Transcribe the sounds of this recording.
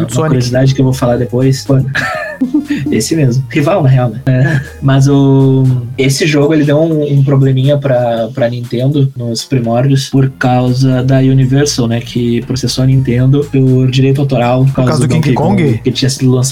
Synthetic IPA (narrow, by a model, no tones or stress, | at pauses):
ũmɐkuɾiozid̪ad͡ʒɪkewvowfalaɾd̪epojsõnɐ | esɪmezmʊhivawnɐɦeawnɛɛ | mɐzʊ | esɪʒoɡʊelɪd̪ewũũpɾoblemĩɲɐpɾɐpɾɐnĩnt̪ẽnd̪ʊnʊspɾimɔɾd͡ʒɪʊspoɾkawzɐd̪ɐunivɛɾsɐwnɛkʰɪpɾosesoɐnĩnt̪ẽnd̪ʊʊɾd͡ʒiɾejt̪̬ʊawt̪oɾawpoɾkawzzɐd̪kkõɡɡɪkelɪt͡ʃĩɲɐsid̪ʊlɐ̃sa